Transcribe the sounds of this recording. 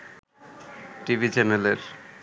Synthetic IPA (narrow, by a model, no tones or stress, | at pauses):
ʈibʱit͡ɕɛneleɾ